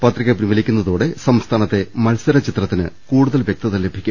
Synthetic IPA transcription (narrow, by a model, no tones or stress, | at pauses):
pɐt̪riɣɐpinmɐlikʲːunːɐðoːɽe̞sɐmst̪ʰaːnɐt̪ːe̞mɐlsɐɾɐt͡ɕit̪rɐt̪ːinɨ̰kuːɽuðɐlʋjek̚t̪ɐðɐlːe̞bʱikʲːu